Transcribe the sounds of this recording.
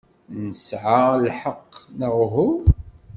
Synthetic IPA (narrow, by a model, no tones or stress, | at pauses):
nəsʕalħəqːnəʁɦu